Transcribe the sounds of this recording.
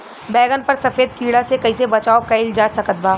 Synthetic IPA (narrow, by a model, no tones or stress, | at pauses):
bɛːɡənpɐɾsɐfeːd̪kiːɽasekɐisebɐt͡ʃaːokɐɪld͡ʒaːd͡ʒsɐkət̪̚baː